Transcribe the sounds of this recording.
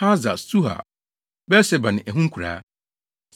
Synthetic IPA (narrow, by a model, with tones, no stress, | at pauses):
a˦za˨su˦ɦa̰˨ | bɛ˦sɛ˨bã˨n˨ʔæ˨ɦũ˦ŋ̩˦kʰu˨ɾa̰ː˨˦ | s